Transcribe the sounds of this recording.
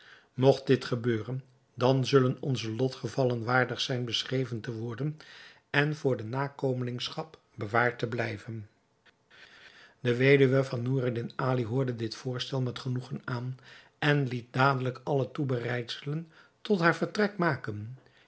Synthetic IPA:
mɔχt̚dɪtχəbøːrən | dɑnzɵlənɔnzəlɔtχəvɑlənʋaːɹdəχsɛjnbəsχrejvəntəʋɔɹdən | ɛnv̥ʊːɹdənaːkomənɪŋsχɑp | bəʋaːɹtəblɛjvən | dəʋejdyʋəvɑnːuridɪnaːliɦʊːɹdədɪtfʊːɹstɛlˠmɛtχənuχənaːn | ɛnlit̚daːdələkɑlətubərɛjtsələn | tɔtɦaːɹvəɹtrɛkmaːkən

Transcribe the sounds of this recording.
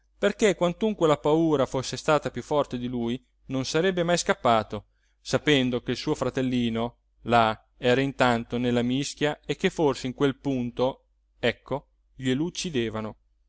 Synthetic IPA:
perkekwant̪uŋkwelapauːɾafosːest̪aːt̪apjufːɔrt̪ed̪iluj | nonsaɾɛbːemajskapːaːt̪o | sapɛnd̪ok̟eilsuːofɾat̪elːiːno | la | ɛːɾaint̪ant̪onelːamisk̟jaekːefːorseiŋkwelpunt̪o | ɛkʰːo | ʎelut͡ʃːid̪eːvano

